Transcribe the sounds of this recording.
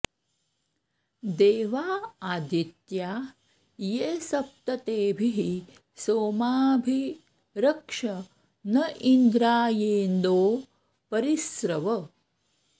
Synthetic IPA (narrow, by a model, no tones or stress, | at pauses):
d̪eːʋaːaːd̪ʱit̪jaː | jesɐp̚t̪ɐt̪eːbʱiɦi | soːmaːbʱi | ɾɐkʂɐ | nɐʔind̪ɾaːjeːnd̪oː | pɐɾisɾɐʋɐ